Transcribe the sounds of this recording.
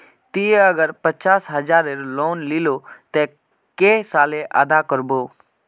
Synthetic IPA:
t̪iɐɡəɾpət͡ʃaːsɦəd͡ʒaːɾeɾloːnlilot̪e | kesaːleʔa̰d̪akəɾboː

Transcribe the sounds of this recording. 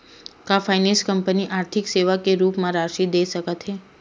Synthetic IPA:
kafajnẽnskəmpəniʔaɾt̪ʰikseʋakeɾupmãɾaɾʃid̪esəkat̪ʰe

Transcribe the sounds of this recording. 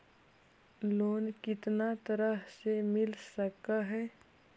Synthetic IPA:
loːnkɪt̪nat̪əɾəɦsemɪlsəkaɦɛː

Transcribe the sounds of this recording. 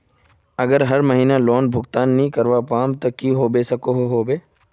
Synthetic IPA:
ɐɡəɾɦɐɾmɐɦiːnalɔːnbʱʊɡt̪aːnːəɦĩkɐɾʋapaːmt̪okiɦobesɐkoɦoɦoːbeː

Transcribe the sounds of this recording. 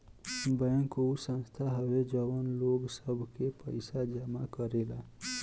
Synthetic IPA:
bəjəŋkousə̃nst̪ʰaɦəwed͡ʒəwənloɡsəbʱkepəjsad͡ʒəmakəɾela

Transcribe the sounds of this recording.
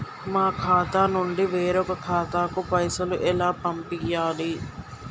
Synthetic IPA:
mãːkʰaːt̪aːnʊɳɖiʋeːɾokkʰaːt̪aːkupɐɪsɐluʔelaːpɐmpɪɡjaːliː

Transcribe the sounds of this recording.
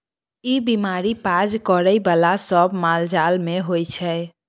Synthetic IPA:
ibimaɾipad͡ʒkəɾəjbalasəbmald͡ʒalmeɦojt͡ʃʰɛ

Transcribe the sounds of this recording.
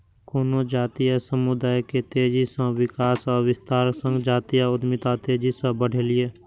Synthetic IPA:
koːnod͡ʒaːt̪ijasəmʊd̪aːjket̪eːd͡ʒisə̃wɪkaːsɔːɾwɪst̪aːɾsə̃ŋɡd͡ʒaːt̪ijaʊd̪mɪt̪at̪eːd͡ʒisə̃bəɽ̤eːlɪeː

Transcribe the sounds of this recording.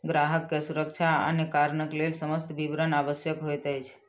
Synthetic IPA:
ɡɾaɦəkːesuɾəkt͡ʃʰaə̰nekaɾɳəklelsəməst̪ʋiʋɾənaʋəsjəkɦojt̪əjt͡ʃʰ

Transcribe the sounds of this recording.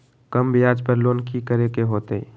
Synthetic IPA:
kəmbɪjaːd͡ʒpəɾloːnkikəɾekeɦoːt̪e

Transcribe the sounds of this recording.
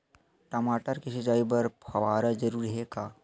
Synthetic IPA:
ʈɐmaːʈəɾkiʃɐd͡ʒaːibɐɾpʰɐʋaːɾad͡ʒɐɾuːɾɦeːɡaː

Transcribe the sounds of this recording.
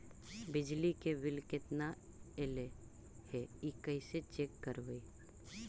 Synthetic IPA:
bɪd͡ʒlikebɪlkɪt̪na | ele | hɛikəɪset͡ʃeːkːəɾbəi

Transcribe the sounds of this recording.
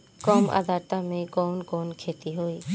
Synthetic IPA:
kɔːmʔa̰d̪aːt̪amẽkɔːnkɔːnkʰeːt̪iɦoːiː

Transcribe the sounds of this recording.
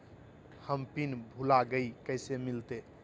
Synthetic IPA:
həmpinbʱulaɡəikəjsemilt̪e

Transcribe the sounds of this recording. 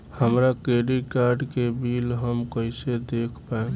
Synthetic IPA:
həmɾakɾeɖikaːɾɖkebiːlɦəmkəɪsed̪eːkʰpaẽ

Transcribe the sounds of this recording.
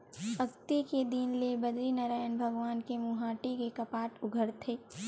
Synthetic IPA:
ɐɡt̪iked̪inlebɐd͡ʒɾinaːɾaːjənbʱɐɡʋaːnkemuɦaːʈikekɐpaːʈʊɡʱəɾt̪ʰɦeː

